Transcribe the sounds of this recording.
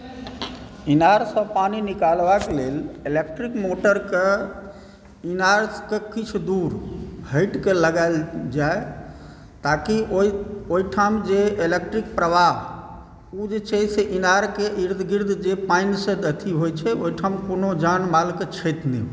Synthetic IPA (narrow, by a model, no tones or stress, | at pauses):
inaɾsə̃paninikalbakelelelek̚ʈɾikmoʈəɾke | inaɾkekit͡ʃʰd̪uɾhəɪʈkeləɡald͡ʒae | t̪akiooiʈʰamd͡ʒeelek̚ʈɾik̚pɾəʋaɦ | ud͡ʒet͡ʃəseʔinaɾkeʔiɾd̪ʱɡiɾd̪ʱd͡ʒepainsẽd̪ət̪ʰiɦojt͡ʃʰɛoiʈʰamkonod͡ʒanmalket͡ʃʰəjt̪ni